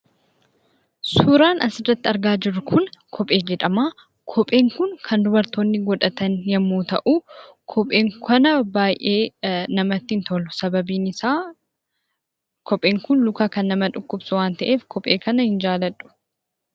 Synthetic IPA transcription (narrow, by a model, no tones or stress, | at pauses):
suːɾaːnɐsɪrːɐt̪ːɪɐɾɡaːd͡ʒɪɾːʊkʰʊnkʰɔpʼːe̞ːd͡ʒɛᶑɐmaː | kʰɔpʼe̞ːŋkʊŋkʰɐnd̪ʊbɐɾt̪oːnːɪɡɔᶑɐt̪ɐnjɛmːuːt̪ɐʔuː | kʰɔpʼe̞ːŋkʰɐnɐbaːjʔe̞ːnɐmɐt̪ːɪɪnt̪ɔlʊsɐbɐbiːnɪsaː | kʰɔpʼe̞ːŋkʊnlʊkaːkɐnːɐmɐᶑʊkːʊbsʊwaːnt̪ɐʔe̞ːfkʰɔpʼe̞ːkɐnɐhɪnd͡ʒaːlɐᶑʼʊ̥